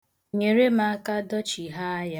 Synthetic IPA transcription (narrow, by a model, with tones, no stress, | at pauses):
ɲe˨ɾe˦ma˦ka˦dɔ˦t͡ʃi˨ɦa˦ja˦